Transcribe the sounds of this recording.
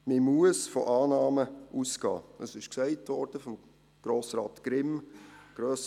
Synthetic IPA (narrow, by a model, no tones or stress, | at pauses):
mɪmuəsfɔʔɑːnɑːməʔusɡ̥ɑ̰ːəsɪʃksɛɪtʋɔɾd̥əfɔm | ɡ̥ɾoːsɾɑːtɡ̥ɾɪmɡ̥ɾøːs